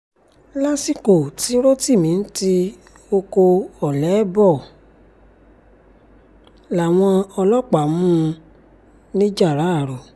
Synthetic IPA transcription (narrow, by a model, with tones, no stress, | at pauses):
la˦si˦ko˨ti˨˦ɾo˦ti˦˨mĩ˨˦n̩˦ti˦ | o˧ko˧ɔ˨lɛ˨˦bɔ˦˨ | la˨w̃ɔ̃˧ɔ˧lɔ˦k͡pa˨mũ˦˧ | nĩ˦d͡ʒa˦˨ɾa˨˦a˦˨ɾo˨